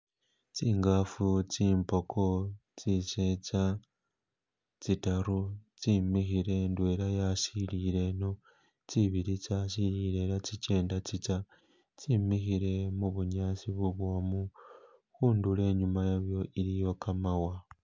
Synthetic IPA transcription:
t͡siːŋɡafut͡siːmpo̞kʰo̞t͡sise̞t͡sa | t͡sitaɾut͡simixiɾe̞ndwe̞ɾajasiliɾe̞no̞ | t͡siβiɾit͡saːsiliɾe̞lat͡sit͡ʃe̞ːndat͡sit͡sa | t͡simixiɾe̞muβuɲaːt͡siβuβwomu | xuːndule̞ːɲumajaβjo̞ʔilijo̞kamawa

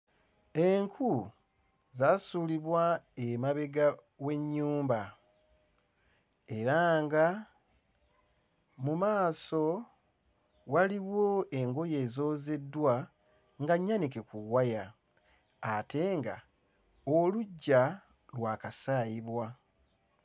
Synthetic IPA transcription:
e̞ŋkʰu | zasuːliβwaemaβe̞ɡa | we̞ɲːuːmba | e̞ɾaŋɡa | mumaːso̞ | waliβwo̞e̞ŋɡo̞je̞ːzo̞ːze̞dːwa | ŋɡaɲːanikekuwajaː | te̞ŋɡa̰ | oluɟːa | lwaːkasaːjiβwa

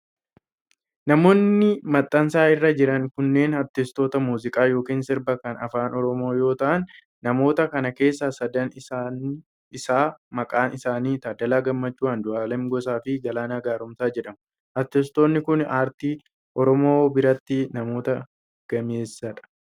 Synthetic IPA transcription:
nɐmo̞ːnːɪmɐt̪ʼːɐnsaːɪrːɐd͡ʒɪɾɐŋkʊnːe̞ːnɐɾt̪ːɪst̪o̞ːt̪ɐmuːzɪkʼaːjo̞ːkiːnsɪɾbɐkɐnɐfaːnɔɾɔmo̞ːjo̞ːt̪ɐʔɐnː | ɐmo̞ːt̪ɐkɐnɐke̞ːsːɐsɐd̪ɐn | ɪsaːmɐkʼaːnʔɪsaːniːt̪aːd̪ɐlaːɡɐmːɐt͡ʃːuːand̪ʊaːlɛmɡɔs̬aːfɪd͡ʒɐlaːnaːɡaːɾʊmsaːd͡ʒɛᶑɐm | ʔɐt̪ːɪst̪oːnːɪkʊnaːɾt̪iː | ʔɔɾɔmo̞ːbɪɾɐt̪ːɪnɐmo̞ːt̪ɐ | ɡ̥ɐme̞ːsːɐᶑɐ̥

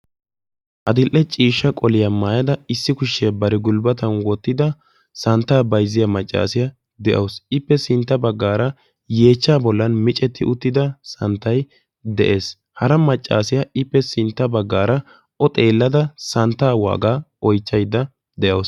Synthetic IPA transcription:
ʔɐd̪ɪlʔɛt͡ʃʼiːʃːɐkʼɔlɪjɐmaːjɐd̪ɐɪsːɪkʊʃːɪjɐbɐɾɪɡʊlbɐt̪ɐnwɔt̪ːɪd̪ɐ | sɐnt̪ːaːbɐjzːɪjɐmɐt͡ʃʼːa̰ːsɪjɐ | d̪ɛʔɐwsɪpːɛsɪnt̪ːɐbɐɡːaːɾɐ | je̞ːt͡ʃːaːbɔlːɐnmɪt͡ʃʼɛt̪ːɪʔʊt̪ːɪd̪ɐsɐnt̪ːɐj | d̪ɛ̰ʔe̞ːs | hɐɾɐmɐt͡ʃʼːa̰ːsɪjɐɪpːɛsɪnt̪ːɐbɐɡːaːɾɐ | ʔɔt̪ʼeːlːɐd̪ɐsɐnt̪ːaːwa̰ːɡaːɔjt͡ʃːɐjd̪ɐ | d̪ɛʔɐws

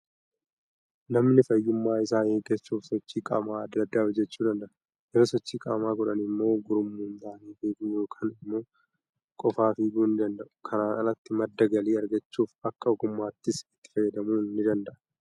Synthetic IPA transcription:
nɐmnɪfɐjːʊmːaːɪsaːneːɡɛsːuːfsɔt͡ʃːiːkʼa̰ːmaːɐd̪ːɐd̪ːaːɔd͡ʒɛt͡ʃːuːd̪ɐnd̪ɐʔɐ | jɛɾoːsɔt͡ʃːiːkʼa̰ːmaːɡɔᶑɐnɪmːo̞ːɡʊɾʊmːuːnt̪aːniːfiːd̪uːjoːkʰaːnɪmːo̞ː | kʼɔfaːfiːd̪uːnːɪd̪ɐnd̪ɐʔʊ̥kʰɐɾaːʔɐnɐt̪ːɪmɐd̪ːɐɡɐliːɐɾɡɐt͡ʃːuːfɐkːɐɔɡʊmːaːt̪ːɪsɪt̪ːɪ̥fɐjːɐd̪ɐmuːnnːɪd̪ɐnd̪ɐʔɐ̥

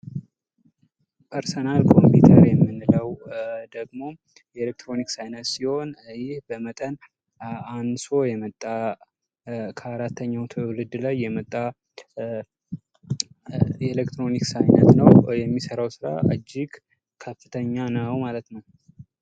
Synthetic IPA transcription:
pʰəɾsənalkʰo̞mpʰut̪ʰəɾjɛmːɨnːɨləwd̪əɡmo̞ | jɛelek̚t̪ɾo̞niksajnət̪siho̞njɪhbəmət̪ʼən | anso̞jɛmət̪ʼːa | kʰəaɾat̪ʰːəɲːawt̪ʰlɨd̪lajːɛmət̪ʼːa | elekt̪ɾo̞niksajnət̪nəwjɛmːisəɾawsɨɾa̰ʔɨd͡ʒːɪɡ | kʰəfːɨt̪ʰəɲːanəwmalət̪nəw

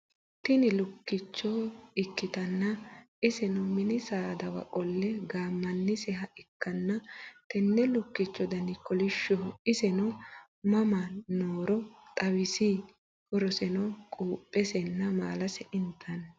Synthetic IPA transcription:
t̪ɪnɪlʊkːɪt͡ʃːɔɪkːɪt̪ɐnːɐʔɪsɛnɔmɪnɪsaːd̪ɐwɐ̰kʼɔlːɛɡaːmːɐnːɪsɛɦɐʔɪkːɐnːɐt̪ɛnːɛlʊkːɪt͡ʃːɔd̪ɐnɪkɔlɪʃːɔɪsɛnɔ | mɐmɐnoːɾɔt̪ʼɐwɪsi | hɔɾɔsɛnɔkʼuːpʼːɛsɛnːɐma̰ːlɐsɛʔɪnt̪ʰːɐn

